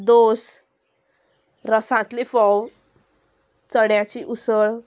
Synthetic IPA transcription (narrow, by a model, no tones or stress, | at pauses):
d̪os | ɾəsãt̪lifɔw | t͡səɽjãt͡ɕiʔusəɭ